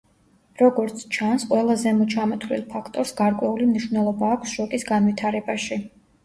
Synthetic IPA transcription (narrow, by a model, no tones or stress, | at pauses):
ɾɔɡɔɾt̪sʰt͡ʃʰansqʼwɛlˠazɛmɔt͡ʃʰamɔt̪ʰvlḭlˠpʰakʰt̪ʼɔɾsɡaɾkʼwɛulimniʃvnɛlˠɔbaːkʷʰsʃɔkʼisɡanvit̪ʰaɾɛbaʃi